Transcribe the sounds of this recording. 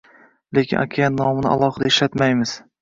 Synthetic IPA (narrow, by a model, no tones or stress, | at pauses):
le̞kʲʰɪnʔa̰kʲʰajanːɒmɪnɪʔa̰lˠɒhɨd̪aeʃlat̪majmɪz̥